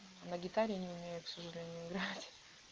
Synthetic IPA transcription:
nəɡʲɪt̪aɾʲɪnʲɪʊmʲejʊksəʐɨlʲenʲɪjʊɪɡɾatʲ

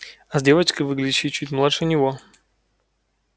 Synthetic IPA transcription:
ɐzʲdʲevət͡ɕkəjvɨɡlʲdʲɪɕɪjt͡ɕːutʲmlˠatʂɨnʲɪvo

